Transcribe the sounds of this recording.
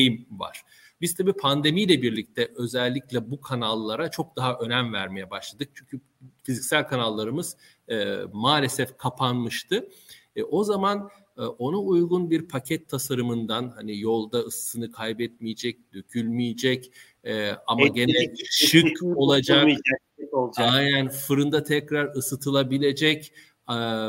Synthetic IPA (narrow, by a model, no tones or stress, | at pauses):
ejimva̰ɾ̥ | bizt̪ʰabiːpʰand̪e̞mijlʲɛbiɾlʲic̚t̪ʰɛʔø̞zɛlʲːiclʲɛbukʰanalˠːaɾat͡ʃʰo̞k̚d̪aɦaʔø̞næmvæɾme̞jɛbaʃlˠad̪ɯk̚t͡ʃʰyɲcʰy | fizicsælʲkʰanalˠːaɾɯmɯz̥ | maːlʲe̞sɛfkʰapʰanmɯʃt̪ʰɯ | ʔo̞zamanː | o̞naujɡunbiɾpʰacʰɛt̪ʰːasaɾɯmɯnd̪anhanijo̞lˠd̪aɯst̪ɯnɯkʰajbɛt̪mijed͡ʒɛc̚d̪øcʰylʲmijed͡ʒɛc | ɛamaɟe̞nɛʃɯko̞lˠad͡ʒak | iolˠd͡ʒaajnænfɯɾɯnd̪at̪ʰɛcɾaɾɯsɯt̪ʰɯlˠabilʲe̞d͡ʒɛc